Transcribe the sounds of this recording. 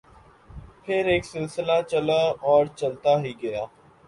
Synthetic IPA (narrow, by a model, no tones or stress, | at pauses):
pʰɪɾɪksɪlsɪlaːt͡ʃəlaːɔːɾt͡ʃəlt̪aːɦiːɡəjaː